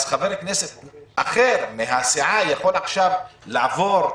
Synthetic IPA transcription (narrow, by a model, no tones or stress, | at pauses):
zχaveʁkneset̪ʔaχe̞ɾmeɦasiʕajaχo̞laχʃavlaavo̞ɾ